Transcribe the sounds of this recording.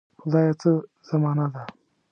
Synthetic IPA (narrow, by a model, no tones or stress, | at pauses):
xʊd̪ɑːjat͡sə | z̥amɑːnad̪a